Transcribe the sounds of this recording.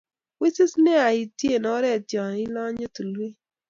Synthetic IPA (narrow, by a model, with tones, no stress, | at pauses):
wi˦sɪ˦snɛ˦a˨i˨tje˦˨nɔ˨˦ɾɛ˦˨tjɔ˨ɪ˦lɔ˦ɲo˦tu˨lwi˦